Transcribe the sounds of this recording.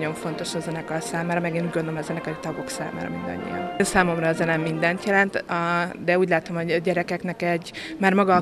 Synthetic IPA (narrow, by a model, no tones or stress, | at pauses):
o̞ɱfo̞nt̪o̞ʃɒzɛnɛkɒsaːmaːɾɒmɛɡeːnuːɟɡond̪olomɒzɛnɛkɒit̪ɒɡo̞ksa̰ːma̰ːɾɒ̰mind̪ɒ̰ɲːḭjɒ̰nnsaːmo̞mrɒɛzɛnɛmːind̪ɛnt̪jɛlɛnt̪ɒd̪ɛuːɟlaːt̪o̞mhoɟɒɟɛɾɛkɛknɛkɛɟmaːrmɒɡɒ